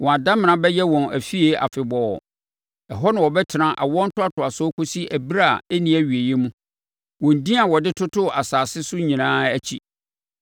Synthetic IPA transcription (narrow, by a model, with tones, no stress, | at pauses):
wɔ̃˨a˨dã˦m˨nã˨bɛ˦jɛ˦wɔ̃˨næ˨fi˦e˦a̰˨fɪ˨bɔ˨ɔ̰˨ | ɛ˨ɦɔ˦nã˨wɔ˨bɛ˦tʰɪ˨nã˨ʔa̰˨wɔ̃˦n̩˦tʊ˦a˦tʰʊ˨a˨sɔ˦kʰo˦si˦ʔæ˨bi˦ɾa˦˨ɛ˦nĩ˦æ˦ɥi˨e˨jɛ˦mũ˦ | wɔ̃˨n̩˨dĩ˦a˨wɔ˨dɪ˦tʰʊ˦tʰʊ˦a˨saː˨sɪ˦sʊ˦ɲĩ˨nãː˦æ˦t͡ɕʰi˦